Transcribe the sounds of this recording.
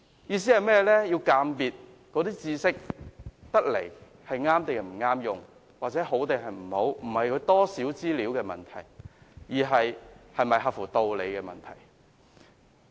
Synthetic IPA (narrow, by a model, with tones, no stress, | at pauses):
jiː˧s̬i˨˥hɐ˨jmɛː˥jlɛː˥ji˧wkaː˧mpiː˨t̚ | kɔː˨˧˥t̪iː˥t͡siː˧sɪ˥k̚t̪ɐ˥k̚lḛ˨˩j | hɐ˨jŋaː˥mt̪e˨˩m̩˨˩ŋaː˥mjʊ˨ŋ | waː˨k̚t͡sɛː˨˥ɦo˨˥wt̪e˨˧ɦɐ˨jm̩˨˩ho˨˧wm̩˨˩hɐ˨jkʰɵ˨˧ɥt̪ɔː˥siː˨˥wt͡siː˥liː˨˥wkɛː˧mɐ˨nt̪ʰɐ˨˩jjiː˨˩ɦɐ˨jhɐ˨jmɐ˨jɦɐ˨p̚fuː˨˩t̪o˨˧wle˨˧jkɛː˧mɐ̰˨nt̪ʰɐ̰˨˩j